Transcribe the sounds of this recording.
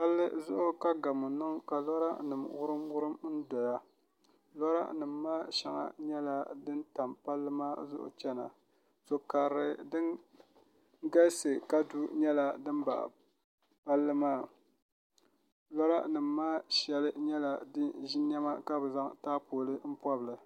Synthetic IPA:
pa˦lːɨ˦zʊ˦ʔʊ˦ka˦ɡa˨mʊ˨nɨ˦ŋka˨lɔ˦ɾa̰˦nɨ˨mwʊ˦ɾɨ˦mwʊ˦ɾɨ˦mn̩˦dɔ˨ja˦ | lɔ˦ɾa̰˦nɨ˨mːaː˦ʃɛ˦ŋa̰˦ɲɛ˦la˦dɨ˦nta˨mpa˦lːɨ˦maː˦zʊ̰˦ʔʊ̰˨t͡ʃɛ˦na˨ | so˨ka˨ɾɨ˨dɨ˦n | ɡa˦sɨ˨ka˦du˦ɲɛ˦la˦dɨ˦m˦ba̰˨ | pa˦lːɨ˦maː˦˨ | lɔ˦ɾa̰˦nɨ˨mːaː˦ʃɛ˦lɨ˦ɲɛ˦la˨dɨ˦ʒi˦n˦ɛ˦ma˦ka˦bɨ˨za˦ŋtaː˦poː˨lɨ˦m̩˦pɔ˦bɨ˨lɨ˨

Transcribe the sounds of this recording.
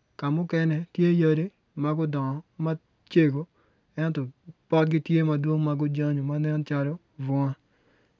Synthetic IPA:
ka˨mʊ˦kɛ˦nɛ˨tje˦ja˦ɾe˦ | ma˦ɡʊ˦dɔ˨ŋɔ˨ma˦ | t͡ʃe˦ɡo˨ | ɛ˦ntɔ˨pɔ˦tɡɪ˦tje˦ma˨dwo˦ŋma˨ɡʊ˦d͡ʒa˦ɲo˨ma˦nɛ˦n˦t͡ʃa˦lɔ˦ | vɔ˦ŋa˦

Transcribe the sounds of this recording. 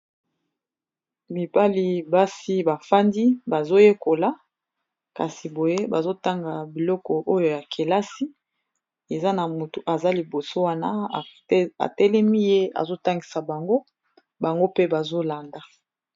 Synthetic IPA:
mi˨pa˦li˨ba˦si˦ba˨fa˦ndi˦ba˨zo˦je˦ko˨la˦ | ka˨si˨bo˨je˦ba˨zo˦ta˦ŋɡa˨bi˨lɔ˦kɔ˨ʔo˦jo˨ja˨kʰe˨la˦si˦ | e˨za˦na˨mu˨tu˨ʔa˨za˦li˨bo˨so˦wa˦na˦˨ | a̰˨tɛ˦lɛ˦mi˦je˦a̰˨zo˦ta˦ŋɡi˨sa˨ba˨ŋɡo˦ | ba˨ŋɡo˦pe˦ba˨zo˦la˨nda˨

